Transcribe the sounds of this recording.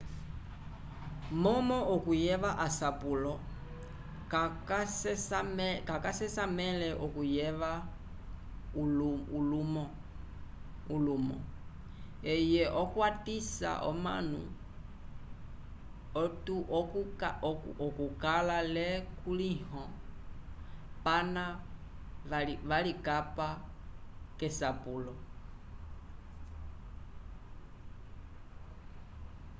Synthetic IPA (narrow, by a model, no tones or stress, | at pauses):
mɔmɔʔɔkujɛʋaʔasapulɔ | kakasɛsamɛkakasɛsamɛlɛʔɔkujɛʋa | ulumɔ | ulumɔ̰ | ɛjɛʔɔkwatisa̰ʔɔ̰ma̰nṵ | ɔtukukakɔkukalalɛkulihɔ | pana | ʋalikapa | kɛsapulɔ